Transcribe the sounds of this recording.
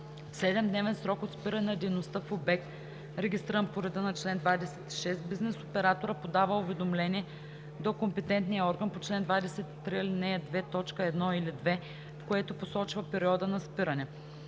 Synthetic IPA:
fsɛd̪ɛmd̪nɛvɛnsɾɔkot̪spiɾɐnɛnɐd̪ɛjnost̪əfobɛkt̪ | ɾɛɡʲist̪iɾənpoɾɛd̪ənɐt͡ʃlɛnd̪vad̪ɛsɛt̪i̥ʃɛst̪biznɛsopɛɾat̪oɾəpod̪avəʊvɛd̪omlɛniɛ | d̪okompɛt̪ɛnt̪nijəɔɾɡənpot͡ʃlɛnd̪vad̪ɛsɛt̪t̪ːɾiilinɛɐd̪vɛt̪ɔt͡ʃkəɛd̪nɔilid̪vɛ | fkoɛt̪oposɔt͡ʃvɐpɛɾiɔd̪ənɐspiɾɐnɛ

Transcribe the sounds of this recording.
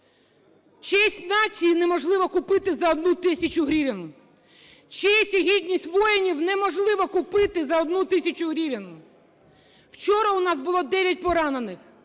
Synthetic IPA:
t͡ʃɛɛsʲtʲnɑt͡sʲijinɛmɔʒlˠɪʋɐkʊpɪt̪ɪzɐɔd̪nut̪ɪsʲɐt͡ʃʊɦɾʲiʋʲɐnʊ | t͡ʃiɛsʲiɦʲid̪ʲnʲisʲtʲʋɔjɪnʲiwnɛmɔʒlˠɪʋɐkʊpɪt̪ɪzɐɔd̪nut̪ɪsʲɐt͡ʃʊɦɾʲiʋʲɐnʊ | wt͡ʃɔɾɐʊnɑzbʊlˠɔd̪ɛʋʲjɐt̚ʲpɔɾɑnenɪx

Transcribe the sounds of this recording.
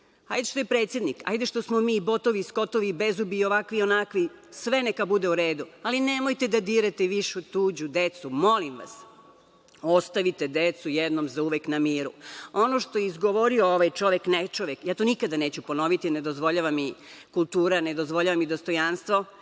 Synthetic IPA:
ha̰jd̪eʃt̪ojepɾet̪sje̞d̪nika̰jd̪eʃt̪osmomiːbo̞t̪oʋisko̞t̪oʋibezubiːo̞ʋakʋionakʋi | sʋe̞nekabud̪e̞uɾe̞ːd̪ualinemojt̪ed̪ad̪iːɾet̪eʋiʃut̪uːd͡ʑud̪et̪sumo̞limʋa̰s | o̞st̪aʋit̪ed̪et̪sujed̪nomzauʋeknamiːɾṵonoʃt̪o̞jeizɡoʋoɾiooʋajt͡ʃo̞ʋeknet͡ʃoʋekjaːt̪o̞nikad̪ane̞ːt͡ɕupo̞no̞ʋit̪ine̞d̪ozʋo̞ʎaʋamikulˠt̪uːɾane̞d̪o̞zʋo̞ʎaʋamid̪o̞st̪o̞janst̪ʋo̞

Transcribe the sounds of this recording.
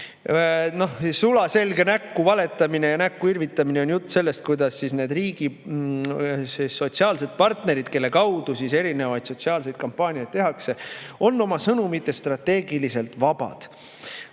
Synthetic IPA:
no̞hissulɑse̞lɡe̞nækːuvɑle̞t̪ːˑɑmine̞jɑnækːuirvit̪ːˑɑmineo̞njut̪ˑːse̞lːe̞st̪̚kujd̪̥ɑsːisne̞ːd̪riːɡ̥i | seso̞t̪siɑːlse̞d̪̥̚pɑrt̪ne̞ɾid̪̥ke̞lːe̞kɑwd̪̥usise̞ɾine̞vɑjd̪̥so̞t̪siɑːlse̞jd̪̥̚kɑmpːˑɑːnʲiɑjd̪̚t̪e̞ɦɑkse̞o̞nːo̞mɑsɤnumit̪ːˑe̞st̪rɑt̪ːe̞ːɡilise̞lt̪vɑb̥ɑ̰d̪̥

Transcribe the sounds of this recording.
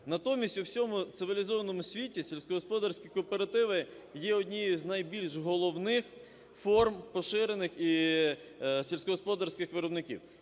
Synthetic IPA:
nɐt̪ɔmʲisʲtʲʊwsʲɔmʊt̪sɪʋʲilʲizɔʋɐnɔmʊsʲʋʲitʲisʲelʲsʲkɔɦɔspɔd̪ɐrsʲkʲijkɔːpeɾɐt̪ɪʋɪ | jɛɔdʲnʲijiznɐjbʲilʲʃɦɔlˠɔwnɪx | fɔrmpɔʃɪɾenɪxi | sʲilʲsʲkɔɦɔspɔd̪ɐrsʲkɪxʋɪɾɔbnɪkʲḭw

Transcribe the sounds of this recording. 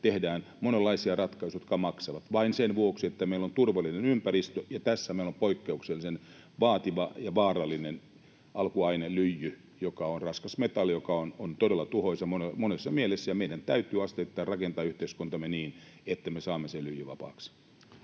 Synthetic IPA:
t̪ehdæːn | monelːɑisiɑrɑt̪kɑisujot̪kɑmɑksɑʋɑt̪ʋɑinsenʋuoksiet̪ːæmeilont̪urʋɑlːinenympærist̪øjɑt̪æsːæmeilompoikːeukselːisen | ʋɑːt̪iʋɑjɑʋɑːrɑlːinen | ʔɑlkuɑinelyjːy | jokɑonrɑskɑsmet̪ɑljokɑonont̪odelːɑt̪uhoisɑmonemonesːɑmielesːæjɑmeidænt̪æyt̪yːɑst̪et̪ːɑːrrɑkent̪ɑːyht̪eiskunt̪ɑmːeniːnet̪ːæmesɑːmːeselyjːyʋɑ̰pɑ̰ːks

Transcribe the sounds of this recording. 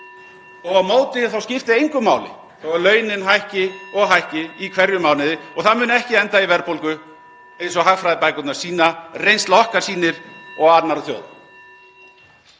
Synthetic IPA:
ɔɣawmoːwt̪ɪθawscɪft̪ɪejŋkʏma̰ːwlɪ̰ | θowɛlœːɥnɪnɦajhcɪɔɣɦajhcɪikʰvɛɾjʏmaːwnɪðɪɔɣθaðmʏːnɛhcɪɛnt̪aivɛɾpowlkʏ | ejnsɔɣɦaɣfɾajðɪpajkʏt̪naɾ̥siːnarejnst̪laɔhkaɾ̥siːnɪɾ̥ɔɣat̪naɾɔθjo̰wð

